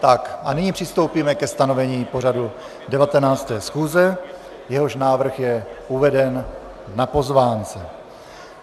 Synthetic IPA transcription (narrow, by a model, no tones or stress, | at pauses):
t̪akʔanɪɲiːpr̥ɪst̪o̞wpiːmɛkɛst̪ano̞vɛɲiːpo̞r̝adu | dɛvat̪ɛnaːt͡st̪ɛːsxuːzɛ | jɛɦoʃnaːvr̩xjɛuvɛdɛn | napo̞zvaːnt͡sɛ